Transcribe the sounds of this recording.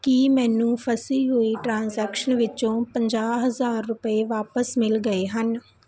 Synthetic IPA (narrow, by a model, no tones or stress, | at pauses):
kimɛ̃ːnũːpʰəsiːɦoːiːʈɾãːnzɛːkʃənʋɪt͡ʃõːpəɲd͡ʒaːɦəzaːɾːʊpəeːʋaːpəsmɪlɡəeːɦən